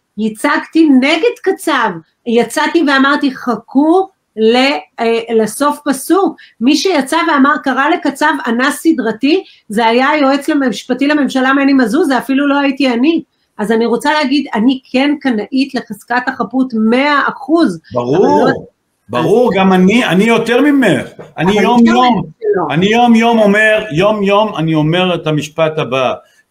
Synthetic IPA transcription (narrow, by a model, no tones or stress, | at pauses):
jit͡saɡt̪ineɡe̞dkat͡sav | jat͡sative̞amaʁt̪iχakʰuʁ | lelaso̞fpasukmiʃejat͡saveamaʁkaʁale̞kat͡savanasidʁati | zeajajo̞e̞t͡slememʃpatilame̞mʃalamenimazuzeafilulo̞ajitiani | ʔazaniʁo̞t͡salehaɡid̪anikʰe̞nkanaʔitle̞χaskataχaputme̞aʔaχuzbaʁu | baʁuʁɡamanianijo̞t̪eʁmimeχanijomjomeloanijo̞mjo̞mome̞ʁjo̞mjo̞manio̞meʁet̪amiʃpat̪aba